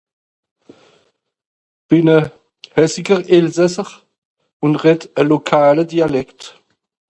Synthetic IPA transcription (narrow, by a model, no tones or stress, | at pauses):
b̥ɪnə | hɛsɪɡəʁɪlzɛsəʁ | ʊnʁɛtəlokʰaːlədialɛkt